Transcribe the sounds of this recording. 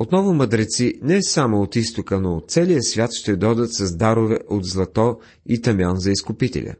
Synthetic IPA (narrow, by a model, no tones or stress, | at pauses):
ot̪nɔvʊməd̪ɾɛt̪sinɛsamoːt̪ist̪okənot̪t̪sɛlijəsvʲjat̪ʃt̪ɛd̪ɔd̪ət̪sɐzd̪aɾʊvɛʔod̪zlˠɐt̪ɔ | it̪ɐmʲɔnzɐiskʊpit̪ɛ̰lʲə̰